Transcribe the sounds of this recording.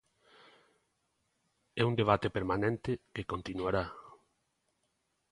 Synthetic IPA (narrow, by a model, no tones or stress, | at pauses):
ɛund̪eβ̞at̪epeɾmanẽnt̪ɪkekont̪inuaɾa